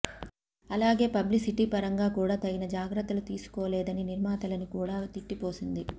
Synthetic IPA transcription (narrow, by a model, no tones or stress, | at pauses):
ɐlaːɡe̞ːpɐblisiʈiːpɐɾɐŋɡaːkuːɽaːt̪ɐɡinɐd͡ʒaːɡɾɐt̪ːɐlut̪iːsu̥koːlɛːd̪ɐniniɾmaːt̪ɐlɐnikuːɽaːt̪iʈːipo̞ːsind̪i